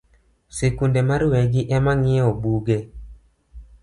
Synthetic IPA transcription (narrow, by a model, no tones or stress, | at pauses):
sekundemaɾwɛɡɪʔɛmaŋɪobuɡe